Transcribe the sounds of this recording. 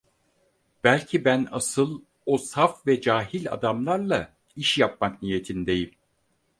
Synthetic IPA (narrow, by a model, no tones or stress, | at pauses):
b̥ælʲcʰibænasɯlˠ | osafvɛd͡ʒaːɦilʲa̰d̪amlˠaɾlˠa | iʃjap̚maknije̞t̪ʰind̪e̞jim